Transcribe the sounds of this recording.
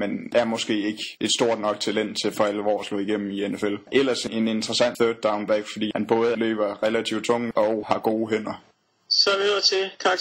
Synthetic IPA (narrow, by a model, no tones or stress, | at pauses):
mendææɐmɒ̽sɡ̥e̝̰ːe̝ɡ̥əʔe̝d̥sd̥o̝ɐ̰d̥nɒ̽ɡ̥̚t͡sʰælen̰d̥t͡sʰe̝fɒ̽æləʋɒ̰ːslɔ̰ːiɡ̥em̰m̩ienefelʔel̰ɐsee̝ne̝nd̥ʁɐsæn̰θød̥̚ɑ̈ʊnb̥æɡ̥fɒd̥ḭːhænb̥ɔ̽ːð̞̩ˠlø̰ːb̥ɐʁɛlæt͡sʰiʊ̰d̥̚t͡sʰɔ̽ŋ̰əɒʊhɑ̈ɡ̥o̝ːɦen̰ɐ | sɒæʋioð̰ˠɐt͡sʰe̝kʰɑ̈ː